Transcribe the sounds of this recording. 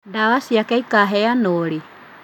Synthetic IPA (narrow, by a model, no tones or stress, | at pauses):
ndaβasiakɛikaɦɛanoɾi